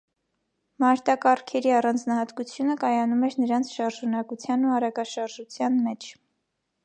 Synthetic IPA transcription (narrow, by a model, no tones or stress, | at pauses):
mɑɾt̪ɑkɑɾkʰɛɾiɑrɑnd͡znɑhɑt̪kut͡sʰjunəkɑjɑnumɛɾnəɾɑnt͡sʰʃɑɾʒunɑkut͡sʰjɑnːuɑɾɑkɑʃɑɾʒut͡sʰjɑnmɛt͡ʃʰ